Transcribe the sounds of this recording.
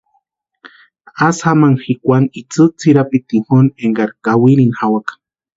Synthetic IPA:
asamaŋxikʷanit͡sɨt͡sʰiɾapit̪ihoneŋɡaɾkawiɾinxawakḁ

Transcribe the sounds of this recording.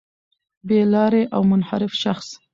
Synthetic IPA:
belɑɾeʔawmʊnha̰ɾɪfʃaxs

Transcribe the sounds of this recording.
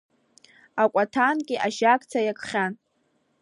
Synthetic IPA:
akʷʼatʰankʲʼɪʔaʃakʼt͡sʰajakʰʼχʲan

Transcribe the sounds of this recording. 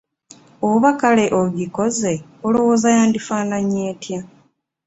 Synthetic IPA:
ouβakale̞ʔoɡiko̞ze̞olo̞wo̞ːzajaːndifaːnaɲeːtja

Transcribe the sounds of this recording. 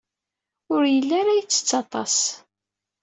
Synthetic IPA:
ʊɾjəlːaɾajət͡sːə̥t͡sːɑt̪ˤɑ̰s

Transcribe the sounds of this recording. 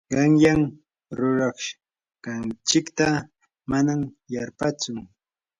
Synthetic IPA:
ɢɑŋjam | ɾʊɾɑχʃ | kant͡ʃɪkt̪a | manam | jaɾpat͡sʊŋ

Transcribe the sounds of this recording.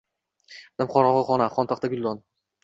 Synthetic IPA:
d̪̥amχʰɒɾɒʁɨχɒnaχɒnt̪ʰaqt̪aɡʲʊlːɒn

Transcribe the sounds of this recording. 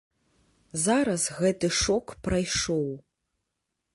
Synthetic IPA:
zaɾazɣɛtʰɨʂokʰprajʂow

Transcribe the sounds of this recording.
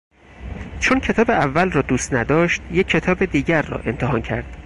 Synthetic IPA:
t͡ʃʰoncʰe̞t̪ʰɒːbe̞ʔævːælrɒːd̪uːst̪næd̪ɒːʃt̪jecʰːe̞t̪ʰɒːbe̞d̪iːɟæɾːɒ̰ːʔe̞nt̪ʰeɦɒːncʰæ̰ɾd̪̥

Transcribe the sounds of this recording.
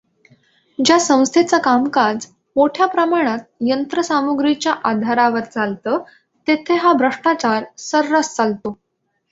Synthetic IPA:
d͡ʑjasə̃w̃st̪ʰet͡sakamkad͡z | moʈʰjapɾəmaɽ̃at̪̚jənt̪ɾəsamuɡɾit͡ɕjaʔad̪ʱaɾaʋəɾt͡salt̪əː | t̪et̪ʰeɦabʱɾəʂʈat͡ɕaɾsəɾːast͡salt̪o

